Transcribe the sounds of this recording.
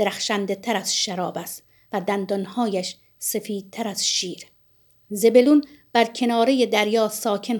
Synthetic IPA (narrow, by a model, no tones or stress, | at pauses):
d̥̪eɾæxʃænd̪et̪ʰæɾæz̥ʃæɾɒːbæst̪ | væd̪ænd̪ɒnhɒːjæʃ | sefiːd̪̥̚t̪ʰːæɾæz̥ʃiːɾ | ze̞be̞lun | b̥æɾcʰe̞nɒːɾejed̪æɾjɒːsɒːcʰe̞n